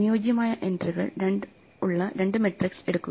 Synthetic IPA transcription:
nijoːd͡ʑjɐmaːjɐʔe̞ndriɣɐ̰ɭɾeɳ | uɭːɐɾe̞ɳɖɨmeʈrikse̞ɽukːu

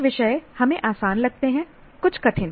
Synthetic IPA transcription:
ʋɪʃəehɐmẽʔaːsaːnlɐɡ̚t̪eɦɛ̃ | kʊt͡ʃʰkɐʈʰɪ̃n

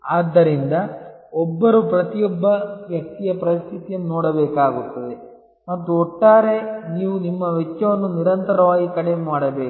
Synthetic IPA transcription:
aːd̪ːɐɾind̪ɐɔbːɐɾupɾɐt̪ijɔbːɐʋjɐk̚t̪ijɐpɾɐist̪ʰit̪ijɐnnɔːɽɐbɛːkaːɡut̪ːɐd̪e̞ | mɐt̪ːuɔʈːaːɾe̞niːʋunimːɐʋɛt͡ʃːɐʋɐnːuniɾɐnt̪ɐɾɐʋaːɡikɐɽemaːɽɐbeː

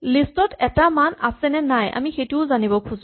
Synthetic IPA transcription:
listɔtɛtamana̰sɛnɛnajʔa̰mixetuʊzanibɔkʰuz

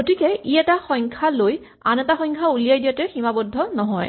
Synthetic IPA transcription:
ɡotikɛiɛtaxɔjŋkʰaloj | a̰nɛtaxɔjŋkʰaulijajdijatɛximabɔdʱːɔnɔɦɔj

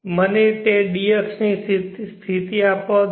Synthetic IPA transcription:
mənet̪eɖijəksnisst̪ʰit̪iapo

